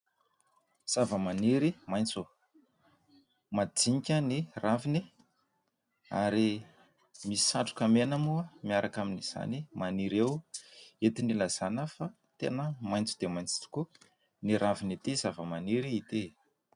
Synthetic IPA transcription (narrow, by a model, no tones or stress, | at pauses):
z̥avəmaniɾimajnt͡su | mad͡ziɲkʲəniravini | a̰ɾi | misi̥saʈ͡ʂu̥kamenəmuamiaɾʔakaminiz̥a̰nimaniɾewet̪inilaz̥anəfa | t̪enəmajnt͡su̥d̪̥emajnt͡si̥t̪u̥ku | niɾavinit̪izavəmaniɾiːt̪e